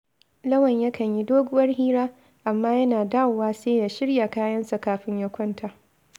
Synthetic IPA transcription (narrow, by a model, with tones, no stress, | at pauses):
lɐ˦wɐ˨ɲjɐ˦kʰɐ˨ɲji˦doː˦ɡʷʊ˦wɐ˦rhiː˦ɾaː˦ | ʔa˨mːaː˦jɐ˦naː˨daː˦˨wwaː˦seː˦jaː˨ʃɪ˦ɽja˨kaː˦jɐ˦nsa˨kaː˨ɸɪ˦ɲjɐ˦kʷɔ˦ntʰaː˨ʔ